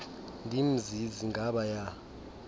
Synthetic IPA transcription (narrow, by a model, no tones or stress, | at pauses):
ndʱim̩ziziŋɡʱaɓaja